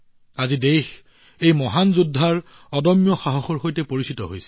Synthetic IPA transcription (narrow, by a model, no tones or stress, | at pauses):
azidejx | ejmɔɦanzudʱːaɹ | ɔdɔmjɔxaɦɔxoɹxojtɛpoɹisitɔ̰ɦo̰jsɛ